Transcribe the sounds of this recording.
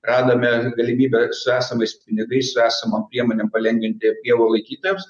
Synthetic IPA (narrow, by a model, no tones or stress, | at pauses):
rɑːd̪ɐmʲɛɡɐlʲɪmʲiːbʲɛsʊæːsɐmɐɪspʲɪnʲɪɡɐɪssʊæːsɐmɐmpʲɾʲiɛmoːnʲɛmpɐlʲɛŋʲɡʲʋʲɪnʲt̪ʲɪpʲiɛʋoːlˠɐɪkʲiːt̪oːjɛms